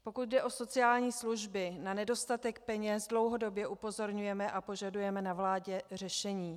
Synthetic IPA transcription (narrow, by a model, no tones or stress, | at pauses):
po̞kut̪̚dɛʔo̞so̞t͡sɪaːlɲiːsluʒbɪnanɛdo̞st̪at̪ɛk̚pɛɲɛsdlo̞wɦo̞do̞bjɛʔupo̞zo̞ɾɲujɛmɛʔapo̞ʒadujɛmɛnavlaːɟɛr̝ɛʃɛɲiː